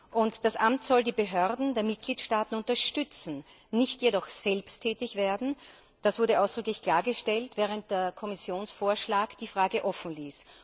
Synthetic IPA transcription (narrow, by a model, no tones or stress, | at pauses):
ʔʊntd̥asʔamtsɔldiːbəɦøɐdn̩deːɐmɪt̚ɡ̥liːtʃtaːtn̩ʊntɐʃtʏt͡sn̩ | nɪçtjedɔxz̥ɛlpstʰːɛːtɪçv̥eːɐdn̩ | d̥asv̥ʊɐɾəʔaʊsd̥ʁʏ̟klɪçkʰl̥aːɐɡəʃtɛltv̥ɛːʁ̞ənt̚d̥eːɐkʰɔmɪsjoːnsfoːɐʃlaːkd̥iːfʁaːɡəʔɔfn̩liːs